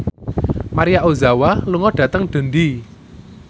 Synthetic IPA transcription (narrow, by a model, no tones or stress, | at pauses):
maɾijaʔozawaluŋɔɖ̥ä̤t̪əŋɖ̪̥ə̤nd̪i